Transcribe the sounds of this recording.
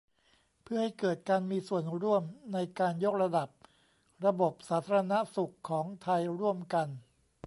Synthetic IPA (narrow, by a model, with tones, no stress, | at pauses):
pʰɯ˥˩ɐha˥˩jkɤː˨˩t̪̚kaː˧nmiː˧su˨˩ənɾu˥˩əmna˧jkaː˧njo˦˥k̚ɾa˧da˨˩p̚ | ɾa˧bo˨˩p̚saː˩˦t̪ʰaː˧ɾa˧na˦˥su˨˩kʰːɔː˩˦ŋt̪ʰa˧jɾu˥˩əmka˧n